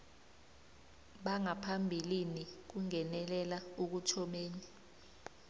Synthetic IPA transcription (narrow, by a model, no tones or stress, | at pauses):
ɓaŋapʰambʱilinik̬uŋɛnɛlɛlauk̬utʰɔmeːni